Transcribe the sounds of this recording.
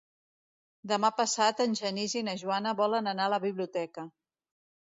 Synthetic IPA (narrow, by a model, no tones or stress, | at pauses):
d̪əmapəsat̪ənʲʒənizinəʒuanəβɔlənənaələβiβliut̪ɛkə